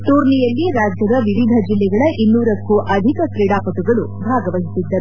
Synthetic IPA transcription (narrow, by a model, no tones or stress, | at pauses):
t̪uːɾnijɐlːiɾaːd͡ʒjɐd̪ɐʋiʋid̪ʱɐd͡ʒilːɛɡɐɭɐʔinːuːɾɐkːuʔɐd̪ʱikɐkɾiɽaːpɐt̪uɡɐɭubʱaːɡɐʋɐɦisid̪ːɐɾu